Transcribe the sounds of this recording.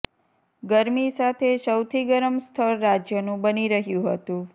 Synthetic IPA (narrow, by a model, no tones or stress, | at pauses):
ɡəɾmisat̪ʰeʃəwt̪ʰiɡəɾəmst̪ʰəɾːad͡ʒjənũbəniɾəɦjũɦət̪ũ